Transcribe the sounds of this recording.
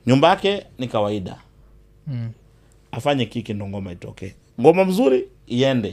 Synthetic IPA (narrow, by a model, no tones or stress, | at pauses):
ɲumbajakɛnikawaiɗa̰ | afaɲɛkikindɔŋɡɔmaitɔ̰kɛː | ŋɡɔmam̩zuɾiː | ɛndɛ